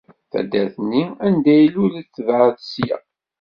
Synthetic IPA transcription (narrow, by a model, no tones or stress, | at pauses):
θæ̰d̪ːæθnːiænd̪æjlʊɾit͡sːəvʕəðsjæ̰